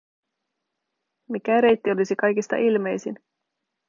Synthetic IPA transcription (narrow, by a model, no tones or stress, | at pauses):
mik̟æɾe̞jt̪ːio̞lisikɑjkist̪ɑ̰ʔilme̞jsin